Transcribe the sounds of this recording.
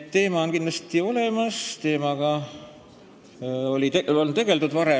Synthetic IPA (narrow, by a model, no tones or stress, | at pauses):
e̞ːmɑonkinlɑst̪io̞le̞mɑst̪e̞ːmɑɡ̥ɑ | o̞lʲieolt̪e̞ɡ̥e̞lt̪ud̪vɑɾe